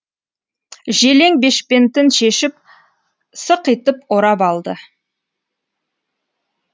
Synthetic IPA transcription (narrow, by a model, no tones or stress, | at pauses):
ʒe̞le̞ŋbe̞ʃpe̞nt̪ɪnʃe̞ʃɪp̚ | səqijt̪əpoɾɑpɑlˠd̪ə